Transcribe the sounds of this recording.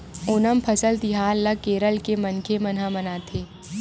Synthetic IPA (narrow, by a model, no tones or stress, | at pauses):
ʊnəmpʰɐsəlt̪iɦaːlːɐkeːɾəlkemɐnkʰemɐnɦamɐnaːt̪ʰeː